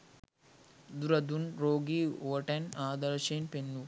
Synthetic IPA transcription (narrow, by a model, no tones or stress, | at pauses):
d̪uɾɐd̪unɾoːɡiːoːʈɐnaːd̪ɐɾʃenpenːu